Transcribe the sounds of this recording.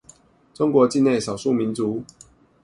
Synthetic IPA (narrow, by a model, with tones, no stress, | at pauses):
t͡so˦ŋkwɔ˨˧˦t͡ɕi˥˧ne˥˩ɪsɑ˨˩su˥˩mi˨˦nt͡su˨˦